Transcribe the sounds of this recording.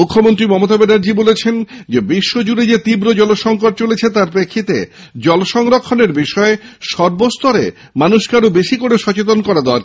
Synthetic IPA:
mukʰːomont̪ɾimɔmot̪abenaɾd͡ʑibolet͡ɕʰend͡ʑebiʃːod͡ʑuɾed͡ʑet̪ibɾod͡ʑɔloʃɔŋkoʈ̚t͡ɕolet͡ɕʰet̪aɾpɾekʰːit̪ḛ | d͡ʑɔloʃɔŋɾokʰːoneɾbiʃɔeʃɔɾbost̪ɔɾe | manuʃkaɾobeʃikoɾeʃɔt͡ɕet̪̬onkɔɾad̪eoaɾ

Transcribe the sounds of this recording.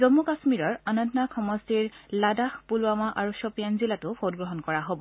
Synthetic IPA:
zɔmːukasmiɹɔɹanɔndnakʰɔmɔstiɹladaxpuluamaʔaɹusɔpijanzilatʊpʰot̚ɡɹɔɦɔnkɔɹaɦobɔ

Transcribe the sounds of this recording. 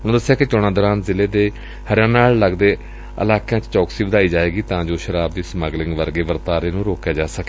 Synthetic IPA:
ʊnõːd̪əsːɪjaːket͡ʃoɽ̃aːd̪ɔːɾaːnzɪleːd̪eː | həɾjãːnaːlːəɡd̪eː | ə̰laːkjãːt͡ʃt͡ʃɔːksiːʋəd̪aːiːd͡ʒaːeːɡiːt̪ãːd͡ʒoːʃəɾaːbd̪iːsməɡlɪ̃ŋɡʋəɾɡeːʋəɾt̪aːɾeːnũːɾoːkjaːd͡ʒaːsəke

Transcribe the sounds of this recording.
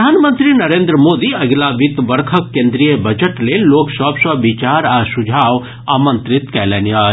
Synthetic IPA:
aːnmə̃nt̪ɾinɐɾẽːnd̪ɾəmoːd̪iɐɡlaːʋit̪ʋɐɾkʰəkːẽːnd̪ɾijəbɐd͡ʒəʈleːloːksɔpsɐʋit͡ʃaːɾaːsud͡ʒʱaːʋ | aːmə̃nt̪ɾɪt̪kɛlɛnja

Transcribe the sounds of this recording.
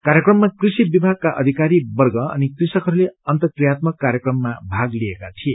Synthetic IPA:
kaɾjʌkrʌmːakrisibibʱaɡ̚kaʔʌd̪ʱikaɾibʌrɡʌʌ̰nikrisʌkɦʌɾuleʌnt̪ʌkrijat̪̚mʌkːaɾjʌkrʌmːabʱaɡliekat̪ʰie

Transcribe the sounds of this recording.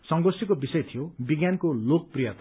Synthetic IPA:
sʌŋɡosikobisʌjt̪ʰijobiɡjankolok̚prijʌt̪a

